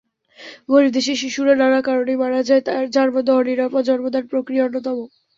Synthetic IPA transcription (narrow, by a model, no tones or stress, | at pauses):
ɡoɾid̪eʃ̬iʃ̬iʃuɾananakaɾonejbaɽad͡ʑaet̪aɾd͡ʑaɾmod̪ʱɔɦoniɾɔpad͡ʑɔnmod̪aɾpɾokɾijaonːot̪ɔmo